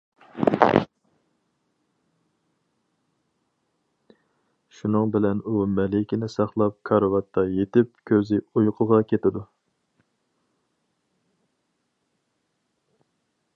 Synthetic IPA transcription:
ʃunɨŋbɪlɛnumɛlɪkʲinɪsɑχlˠɑp̚kʰɑɾɑwɑt̪ʰːɑjet̪ɪp̚kʲʰøzɪujqʰʊʁɑkʲʰet̪ɪd̪u

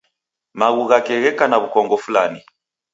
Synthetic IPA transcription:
maɣuɣakɛɣɛkanaβukɔŋɡɔfulani

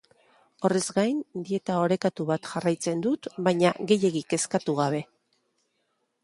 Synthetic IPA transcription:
o̞re̞zɡajnd̪ie̞t̪ao̞ɾe̞kat̪uβat̪ʝarajt͡se̞nd̪ut̪baɲaɣe̞je̞ɣike̞skat̪uɣ̞aβ̞e̞

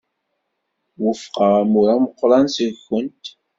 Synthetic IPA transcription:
wəfqəʁæmuɾaməqːɾˤɑnsəxːənt̪

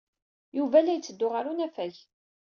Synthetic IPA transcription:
juvælæjt͡sːəd̪ːʊʁaɾunæfæç

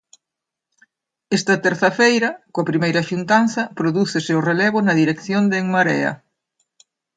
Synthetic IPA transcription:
ɛst̪ɐt̪eɾθɐfejɾɐkoɐpɾimejɾɐʃunt̪anθɐpɾoðuθeseorelɛβ̞ʊnɐðiɾekθjond̪eŋmaɾɛ̰ɐ̰

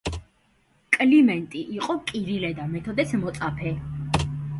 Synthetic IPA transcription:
kʼlimɛnt̪ʼiʔiqʼɔkʼiɾilɛd̪amɛt̪ʰɔd̪ɛsmɔt̪sʼapʰɛ

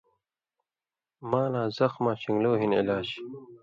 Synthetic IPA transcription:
maːlãːzɐxmãːɕiŋɡloːɦinḭlaːɕi̥

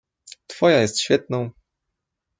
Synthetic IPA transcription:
t̪fɔjajɛst̪ɕfʲjɛt̪̚nɔ̃w̃

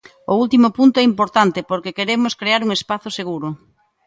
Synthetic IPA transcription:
ʊult̪imʊpunt̪oɛimpoɾt̪ant̪epoɾkekeɾemʊskɾeaɾuŋespaθʊseɣ̞uɾʊ

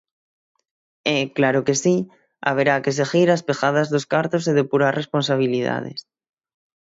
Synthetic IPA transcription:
eklaɾokesi | a̰β̞eɾakes̬exiɾaspexað̞azðoskaɾt̪os̬eðepuɾasre̞spons̬aβ̞iliða̰ðḛs

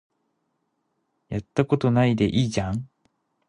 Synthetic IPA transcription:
jat̪ːako̞t̪o̞naid̪e̞ʔiːd͡ʑãŋ

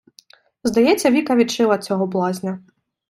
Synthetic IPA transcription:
zd̪ɐjɛt͡sʲːɐʋʲikɐʋʲit̪t͡ʃɪlˠɐt͡sʲɔɦɔblˠɑzʲnʲɐ

